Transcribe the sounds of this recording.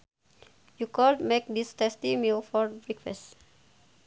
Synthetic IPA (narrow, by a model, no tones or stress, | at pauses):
jukɔldmek̚d̪istɛstimilfɔɾbɹikfɛ̰st